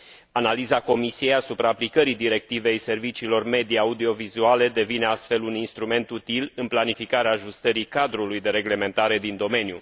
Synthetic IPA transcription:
analizako̞misijejasupɾaːplikəɾid̪iɾe̞k̚t̪ive̞jse̞rvit͡ʃiːlo̞rme̞d̪iaud̪io̞vizuale̞d̪e̞vine̞ast̪fe̞luninst̪ɾume̞nt̪ut̪ilɨnplanifikaɾeaːʒust̪əɾikad̪ɾulujd̪e̞ɾe̞ɡle̞me̞nt̪aɾe̞d̪ind̪o̞me̞nju

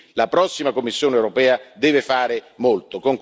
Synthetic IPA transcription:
lapɾɔsːimakomːisːjoːnewɾopɛːad̪ɛːvefaːɾemolt̪okoŋk

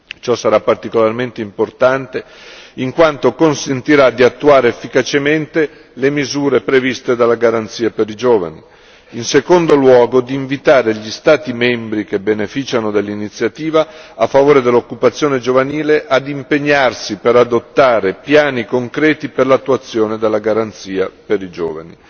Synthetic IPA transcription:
t͡ʃɔsːaɾapːart̪ikolarment̪eimport̪ant̪e | iŋkwant̪okonsent̪iɾad̪iat̪ːuaːɾeefːikat͡ʃement̪e | lemizuːɾepɾevist̪ed̪alːaɡaɾant̪siːapeɾid͡ʒoːva̰ni | insekond̪olwɔːɡod̪iːɱvit̪aːɾeʎist̪aːt̪imembɾikebːenefit͡ʃanod̪elːinit̪sːjat̪iːvaːfːavoːɾed̪elːokːupat̪sːjoːned͡ʒovaniːleʔad̪impeɲːarsipeɾad̪ot̪ːaːɾepjaːnikoŋkɾɛːt̪iperlat̪ːuat̪sːjoːned̪elːaɡaɾant̪siːapeɾid͡ʒo̰ːvani

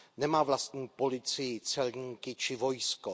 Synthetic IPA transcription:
nɛmaːvlast̪ɲiːpo̞lɪt͡sɪjɪt͡sɛlɲiːkɪt͡ʃɪvo̞jsko

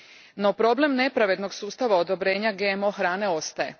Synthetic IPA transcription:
no̞pɾo̞ble̞mne̞pɾaʋe̞d̪no̞ɡsuːst̪aʋaod̪o̞bɾe̞ːɲaɡemo̞xɾaːne̞o̞st̪aje̞

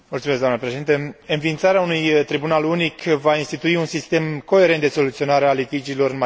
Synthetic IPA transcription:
mult̪sumesɡ̪d̪amnəpɾeʃeint̪əɨnvint̪saɾeaunujt̪ɾibunalunikʰvainst̪it̪uiunsist̪e̞mko̞e̞ɾe̞nt̪d̪e̞so̞lut̪sio̞naɾealit̪id͡ʒilo̞ɾɨnma

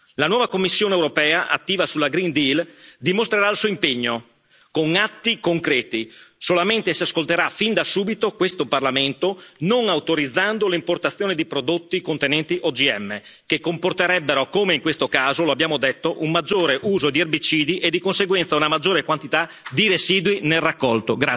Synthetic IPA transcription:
lanwɔːvakomːisːjoːnewɾopɛːaʔa̰t̪ːiːvasulaɡɾind̪ild̪imost̪ɾeɾailsuːoimpeɲːo | koŋat̪ːikoŋkɾɛːt̪isolament̪esiaskolt̪eɾafind̪asuːbit̪okwest̪oparlament̪onoŋawt̪oɾid̪zːand̪olimport̪at̪sːjoːned̪ipɾod̪ot̪ːikont̪enɛnt̪iʔod͡ʒiɛmːe | kekːomport̪eɾɛbːeɾokomeiŋkwest̪okaːzoloabːjaːmod̪et̪ːoʔummad͡ʒːoːɾeʔuːzod̪ierbit͡ʃiːd̪iʔed̪ːikonseɡwɛnt̪saunamad͡ʒːoːɾekwant̪it̪a | d̪iɾeziːd̪winelrakːɔlt̪oɡɾa

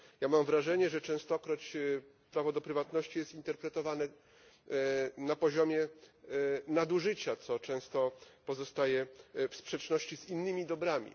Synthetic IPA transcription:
jamamvɾaʐɛɲɛʐɛt͡ʂɛ̃w̃st̪ɔkɾɔt͡ɕ | pɾavɔd̪ɔpɾɘvat̪nɔɕt͡ɕijɛst̪int̪ɛɾpɾɛt̪ɔvanɛ | napɔʑɔmʲjɛ | nad̪uʐɘt͡ɕat̪sɔt͡ʂɛ̃w̃st̪ɔpɔzɔst̪ajɛfspʂɛt͡ʂnɔɕt͡ɕiz̥inːɘmʲid̪ɔbɾamʲḭ

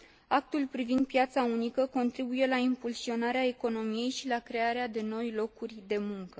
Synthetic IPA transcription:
ak̚t̪ulpɾivind̪̚pjat̪saunikəko̞nt̪ɾibuje̞laimpulsio̞naɾeae̞ko̞no̞mije̞jʃilakɾe̞aɾead̪e̞no̞jlo̞kurʲd̪e̞muŋkə

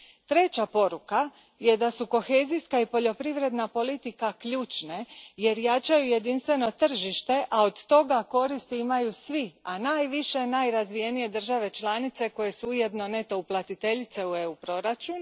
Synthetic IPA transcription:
t̪ɾe̞t͡ɕapo̞ɾuka | je̞d̪asuko̞xe̞ːzijskaipo̞ʎo̞pɾiʋɾe̞d̪napo̞lit̪ikakʎuːt͡ʃne̞je̞ɾjat͡ʃajuje̞d̪inst̪ʋeno̞t̪r̩ʒiʃt̪e̞ʔao̞d̪t̪o̞ɡako̞ɾist̪iimajusʋianaːjʋiʃe̞najɾazʋije̞nije̞d̪r̩ʒaʋe̞t͡ʃlˠanit̪se̞ko̞je̞suuje̞d̪no̞ne̞t̪o̞uplˠat̪it̪e̞ʎit̪se̞ue̞upɾo̞ɾat͡ʃun

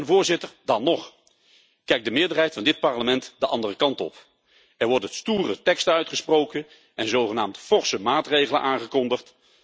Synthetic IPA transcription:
nvʊːɹzɪtəɹdɑnːɔχ | kɛjk̚dəmɪːɹdəɹɦɛjtfɑndɪt̚pɑɹləmɛntdəʔɑndərəkɑntɔ̰p | ɛɹʋɔɹdənstuːrətɛkstəœɥtχəsprowkən | ɛnzowχənaːmtfɔɹsəmaːtrejχələ̰nʔaːŋχəkɔndəχt

